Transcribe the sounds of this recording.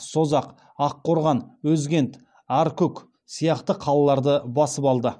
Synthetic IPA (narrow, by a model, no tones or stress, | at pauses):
so̞zɑq | ɑqʰːo̞ɾʁɑnwɵzɡʲe̞nt̪ | æɾkʲʰɵk | sijɑqt̪əqʰɑlˠɑlˠɑɾd̪əbɑsəpɑlˠd̪ə